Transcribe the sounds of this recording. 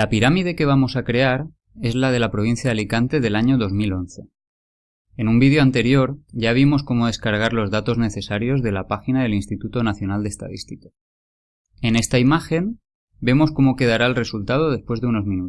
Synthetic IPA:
lapiɾamiðe̞ke̞β̞amo̞sakɾe̞aɾ | e̞zlað̞e̞lapɾo̞β̞in̟θjaðalikant̪e̞ðe̞laɲo̞ðo̞zmilo̞nθe̞ | enumbiðjoant̪e̞ɾjo̞ɾʝaβ̞imo̞sko̞mo̞ðe̞skaɾɣ̞aɾlo̞zðat̪o̞zne̞θe̞saɾjo̞zðe̞lapaxinaðe̞linst̪it̪ut̪o̞naθjo̞nald̪est̪a̰ðist̪ika | ene̞st̪aimaxe̞m | be̞mo̞sko̞mo̞ke̞ð̞aɾaelre̞sult̪að̞o̞ð̞e̞spwe̞zðe̞uno̞zmĩnu

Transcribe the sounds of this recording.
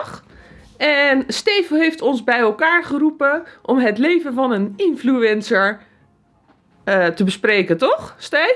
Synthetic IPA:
ɛnstejfɦejftɔnzbɛjɛlˠkaːɹχərupəʔɔmɦətlejvənvɑnənɪnfluɛnsəɹ | təbəsprejkəntɔχste

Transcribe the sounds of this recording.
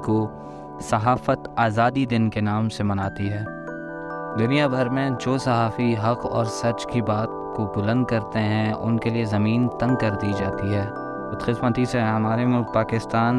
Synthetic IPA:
ko | sɐɦaːfət̪aːzaːd̪id̪ɪnkenaːmsemɐnaːt̪iɦɛː | d̪ʊnijabʱɐɾmẽd͡ʒoːsɐɦaːfiɦɐqɔ̰ːɾsɐt͡ʃkibaːt̪kobʊlə̃nd̪̚kɐɾt̪eɦɛ̃ʔʊ̰nkeliezɐmiːnt̪ɐ̃ŋɡ̚kɐɾd̪iːd͡ʒaːt̪iɦɛː | ʊt̪qɪsmat̪iseɦɐmaːɾemʊlk̚paːkɪst̪aːn

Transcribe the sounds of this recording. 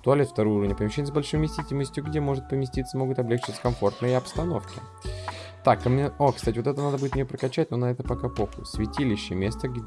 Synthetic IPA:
t̪ʊɐlʲet̪ft̪ɐɾouɾəvnʲɪpəmʲɪɕːenʲɪəzbɐlʲʂojmʲɪsʲtʲitʲɪlʲməsʲtʲjʊɡdʲe̞mo̞ʐɨt̪̚pəmʲɪsʲtʲit̪səmo̞ɡʊt̪ɐblʲekt͡ɕɪ̥t̪sə̥kɐmfo̞rt̪nəjəɐpst̪ɐno̞fkʲɪ | t̪akːəmʲeokst̪atʲɪvot̪ɛt̪ənad̪əbudʲɪt̪mʲɪepɾəkɐt͡ɕːæt̚ʲno̞nɐɛt̪əpɐkɐpoxʊsʲvʲɪtʲilʲɪɕːɪmʲe̞st̪əɡʲ

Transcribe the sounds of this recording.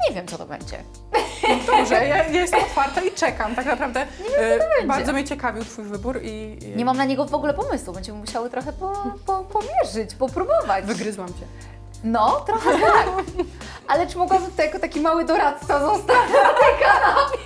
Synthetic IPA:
ɲɛvʲjɛmt̪ɔt̪ɔbɛ̰ɲd͡ʑɛ̰ | d̪ɔbʐɛjajajɛst̪ɛmɔt̪faɾt̪ait͡ʂɛkamt̪aknapɾavd̪ɛɲɛvʲjɛɔt̪ɔbɛɲbaɾɛdzɔmʲɲɛt͡ɕɛkavʲiwt̪fujvɘbuɾi | ɲɛmamnaɲɛɡɔvɔɡulɛpɔmɘswubɛɲd͡ʑɛmɘmuɕawɨt̪ɾɔxɛpɔpɔpɔmʲjɛʐɘd͡ʑbɔpɾubɔvat͡ɕvɨɡɾɘzwamt͡ɕɛ | nɔt̪ɾɔxɛt̪ak | alɛt͡ʂɨmɔɡwabɪt̪ut̪ajakɔt̪akʲimawɘd̪ɔɾat̪sazɔst̪aɔt̪ɛkana

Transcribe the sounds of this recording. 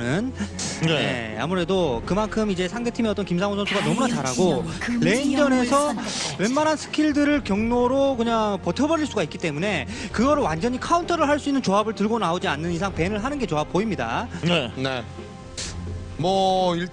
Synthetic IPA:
nɯnnjḛa̰muɾe̞dokɯmankʰɯmid͡ʑe̞sʰaŋde̞tʰimeʌt͈ʌnkimsʰaŋosʰʌnsʰuɡanʌmunat͡ɕaɾɦaɡoɭe̞ind͡ʑʌne̞sʰʌweɭmanɦansʰɯ̥kʰiɭdɯɾɯɭkjʌŋnoɾokɯɲaŋpʌtʰjʌbʌɾiɭs͈uɡaik͈it͈e̞mune̞kɯɡʌɾɯwand͡ʑʌɲikʰauntʰʌɾɯɭɦaɭs͈uinːɯnt͡ɕoabɯɭtɯɭɡonaod͡ʑianːɯnisʰaŋpe̞nɯɭɦanɯnɡe̞t͡ɕoap̚p͈oimɲida̰nene | mʌiɭ

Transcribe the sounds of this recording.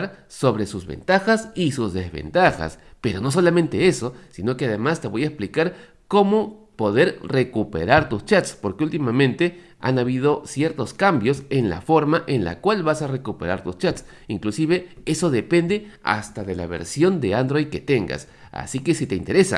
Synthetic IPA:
ɾso̞βɾe̞suzβḛnt̪axasisuzðezβḛnt̪axa̰spe̞ɾo̞no̞s̬o̞lamẽnt̪e̞eso̞sino̞ke̞að̞emast̪eβo̞jaesplikaɾ | ko̞mopo̞ð̞e̞ɾrekupḛɾaɾt̪ust͡ʃat̪spo̞ɾkeult̪imamẽnt̪e | a̰naβið̞o̞sjeɾt̪o̞skambjosenla̰fo̞ɾmaʔenla̰kwalβasare̞kupe̞ɾaɾt̪ust͡ʃat̪s | iŋklusiβe̞e̞so̞ðe̞pe̞nd̪e̞a̰st̪aðe̞la̰βe̞̰ɾsjo̞nd̪e̞and̪ɾo̞jd̪̚ke̞t̪eŋɡa̰s | a̰sike̞sit̪e̞ḭnt̪eɾesa̰

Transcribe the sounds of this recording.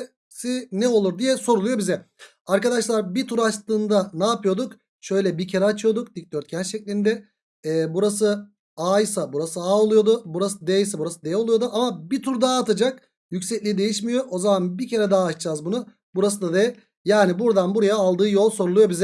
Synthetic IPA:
sinɛo̞lˠuɾd̪ijɛso̞ɾulˠujobizɛ | aɾkad̪aʃlˠaɾbit̪ʰuɾat͡ʃt̪ɯːnd̪anaːpɯjo̞d̪uk | ʃø̞jlʲɛbicʰe̞ɾɛat͡ʃʰɯjo̞d̪uk̚d̪ic̚t̪øɾt̪̚cʰɛnʃɛclʲind̪ɛː | buɾas̬ɯ | aːjsabuɾasɯaːo̞lˠujo̞d̪ʊbuɾasɯd̪ejsɛbuɾasɯd̪ejɛo̞lˠujo̞d̪uʔamabit̪ʰuɾd̪aɦːt̪ʰad͡ʒak̚ | jycʲsɛclʲid̪e̞jiʃmijo̞ʔo̞zamanbicʰe̞ɾɛd̪aːt͡ʃd͡ʒaːzbunʊ | buɾas̬ɯd̪ad̪eɛ | jaːnibuɾd̪anbuɾajaːlˠd̪ɯːjo̞lˠso̞ɾulˠujo̞bizɛ

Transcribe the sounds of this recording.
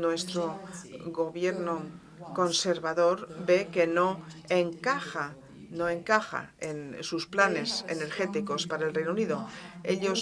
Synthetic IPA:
nwe̞st̪ɾoɣo̞βjeɾno | ko̞nse̞ɾβaðo̞ɾbe̞ke̞no̞eŋkaxa | no̞e̞ŋkaxa̰ensusplane̞sḛne̞ɾxe̞t̪iko̞spaɾae̞lrejnouniðo̞eʎo̞s

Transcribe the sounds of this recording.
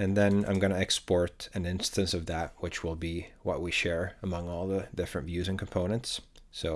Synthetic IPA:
ɨ̃nðɨ̃nã̰ɪ̃mɡʌnɨɨkspɔɹɾɨ̃nɪ̃nstɨ̃nsʌvðɨt̚wɨt͡ʃwɪlˠbiwʌ̰ʔ̚wiʃɛɹəmʌ̃ŋɔlˠðədɪfɹɨ̃ntvjʉzɨ̃nkʰm̩pʰõʊ̃nɨ̃ntsːoʊ

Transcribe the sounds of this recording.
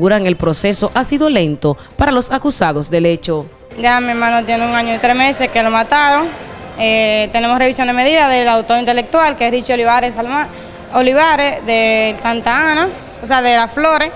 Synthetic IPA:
uɾaŋe̞lpɾo̞se̞so̞ʔasiðo̞le̞nt̪o̞ | paɾalo̞sakusaðo̞sd̪e̞le̞t͡ʃo̞ | d͡ʒamieɾmãnot̪jeneuŋãɲoit̪ɾesmeseskelomat̪aɾoŋ | et̪ene̞mosreβisjo̞nd̪emeðiðaðelawt̪oɾint̪elek̚t̪walkeesrit͡ʃioliβaɾesala | oliβaɾeðelsant̪aana | oseaðelafloɾe

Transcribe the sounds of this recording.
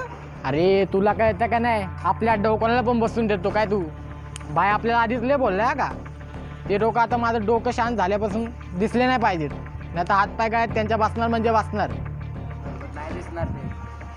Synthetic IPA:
aɾet̪ulakajet̪akajnajapljaɖəwkonalap̬əɳbəsuːnd̪et̪okajt̪uː | bʱajapljalaːd̪ʱit͡slebolːəjaka̰ | t̪eɖokaːt̪amad͡z̪ʱɾəɖokəɕãnt̪̚d͡zʱaljapasuːn | d̪islenajpajd͡ʑit̪ | najt̪aɦat̪̚pajkaɭat̪ːjaɲt͡ɕjabasnaɾm̤əɳd͡zebat͡snaɾ | jd̪isnaɾe

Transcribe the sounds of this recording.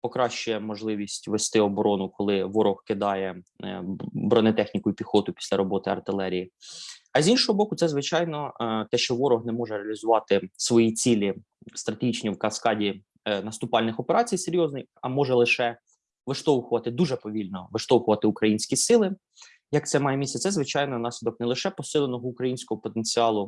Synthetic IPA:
pɔkɾɑʃt͡ʃʊjɛmɔʒlˠɪʋʲisʲtʲʋest̪ɪɔbɔɾɔnʊkɔlˠɪʋɔɾɔhkɪd̪ɑjɛ | bɾɔnet̪ɛxnʲikʊipʲixɔt̪ʊpʲi̥sʲlʲɐɾɔbɔt̪ɪɐ̰rt̪ɪlˠɛɾʲijiɐzʲinʃɔɦɔbɔkʊt̪sɛzʋɪt͡ʃɑjnɔt̪ɛʃt͡ʃɔʋɔɾɔɦnɛmɔʒɛɾeɐlʲizʊʋɑt̪ɪsʋɔjit͡sʲilʲi | st̪ɾɐt̪eɦʲit͡ʃnʲiwkɐskɑdʲi | nɐst̪ʊpɑlʲnɪxɔpeɾɑt͡sʲijseɾʲjɔznɪjxɐmɔʒɛlˠɪʃɛ | ʋɪʃt̪ɔwxʊʋɐt̪ɪd̪uʒɛpɔʋʲilʲnɔʋɪʃt̪ɔwxʊʋɐt̪ɪʊkɾɐjinʲsʲkʲisɪlˠɪ | jɐk̚t̪sɛmɑjemʲisʲɛt̪sɛzʋɪt͡ʃɑjnɔnɑsʲlʲid̪ɔk̚nɛlˠɪʃɛpɔsɪlˠenɔɦɔʊkɾɐjinʲsʲkɔɦɔpɔt̪enʲt͡sʲiɑlˠʊ

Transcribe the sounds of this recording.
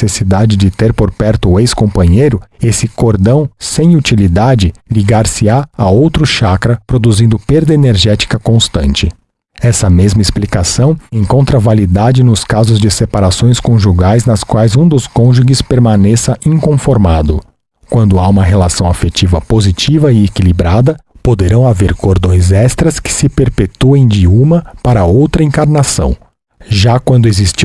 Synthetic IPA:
esid̪ad͡ʒɪd͡ʒɪt̪eɾpoɾpɛɾt̪ʊːejskõmpɐ̃ɲejɾʊesɪkoɾd̪ɐ̃w̃sẽj̃ut͡ʃilid̪ad͡ʒɪliɡaɾsɪaaowt̪ɾʊʃakɾɐpɾod̪uzĩnd̪ʊpeɾd̪ɐeneɾʒɛt͡ʃi̥kɐkõst̪ɐ̃nt͡ʃɪ | ɛsɐmezmɐisplikasɐ̃w̃ẽŋkõnt̪ɾɐvalid̪ad͡ʒɪnʊskazʊzd͡ʒɪsepaɾasõj̃skõʒuɡajznɐskwajzũd̪ʊskõʒuɡɪspeɾmanɛsɐʔĩŋkõfoɾmad̪ʊ | kwɐ̃nd̪ʊaũmɐɦelasɐ̃w̃afet͡ʃivɐpozit͡ʃivɐɪekilibɾad̪ɐpod̪eɾɐ̃w̃aveɾkoɾd̪õj̃zɛst̪ɾɐskɪ̥sɪpeɾpet̪uẽj̃d͡ʒɪũmɐpaɾɐowt̪ɾɐĩŋkaɾnasɐ̰̃w̃ | ʒakwɐ̃nd̪ʊezist͡ʃi

